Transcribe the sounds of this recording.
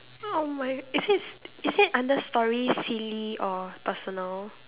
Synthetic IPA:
omaɪɪsɪtɪsɪtãndəstɔɹisiliʔɔpəsɔnəl

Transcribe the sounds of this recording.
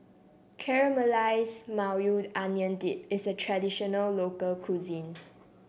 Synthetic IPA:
kʰɛɹəməlaɪsmawjudãnjə̃ndipɪsətʰɹadiʃɔnəlːokəlkʰuzĩn

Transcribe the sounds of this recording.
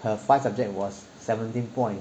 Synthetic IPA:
həfaɪsab̚d͡ʒɛk̚t̚wɔsːɛvə̃ntĩnpɔ̃ɪj̃n

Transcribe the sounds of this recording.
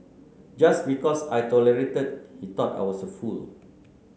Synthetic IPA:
d͡ʒasbikɔsajtɔləɹetəd̚hit̪ɔta̰jwɔsəful

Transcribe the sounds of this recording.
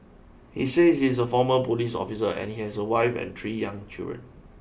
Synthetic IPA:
hiseshisəfɔməpolisɔ̰fisəʔɛ̰̃nhihɛsəwaɪfɛ̰̃nt̪ʰɹijãŋt͡ʃɪ̰ldɹə̰̃n

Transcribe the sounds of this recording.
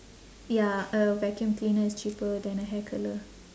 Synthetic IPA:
jaəʋɛkə̃mklĩːnəɪst͡ʃiːpəd̪ɛ̃nəɦɛkʰələ

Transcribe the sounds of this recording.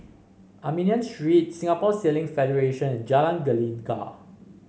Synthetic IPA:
ʔamĩniə̃nsɹit̚sĩŋapɔselɪ̃ŋfɛdəɹeʃə̃nɛ̃nd͡ʒalãnɡəlĩnka̰

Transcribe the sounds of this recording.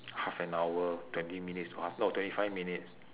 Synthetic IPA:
hafɛ̃nawətwɛ̃ntimĩnitstɔhafnɔftwɛ̃ntifajvminits

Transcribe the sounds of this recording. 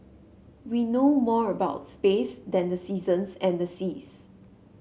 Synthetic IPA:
winomɔɹəbaʊtspesdɛ̃ndəsizə̃nsɛ̃ndəsis

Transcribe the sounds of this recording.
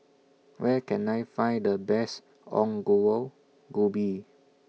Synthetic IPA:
wɛkɛ̃najfãjndəbɛs | ɔ̰̃ŋɡoəl | ɡubi

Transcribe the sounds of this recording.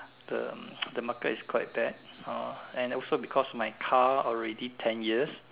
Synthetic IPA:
də̰dəmakətiskʰwaɪt̚b̥ɛd̚aɛ̃nɔlsobikʰɔsɔfmajkʰaɔlɹɛditʰɛ̃njiəs

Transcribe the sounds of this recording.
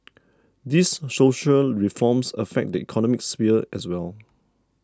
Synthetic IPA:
disːoʃəlɹifɔ̃msəfɛk̚dəḭkʰɔnɔmik̚sfiəɛswɛl

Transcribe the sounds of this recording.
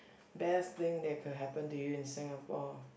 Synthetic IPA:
bɛst̪ɪ̃ŋd̪ɛkʰʊd̚ɦɛpə̃ntujuɪ̃nsɪ̃ŋapɔ

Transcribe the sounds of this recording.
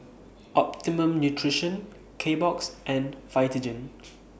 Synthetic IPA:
ʔɔp̚timə̃mnjutʰɹiʃə̃n | kʰebɔksʔɛ̃nfaɪtid͡ʒə̃n

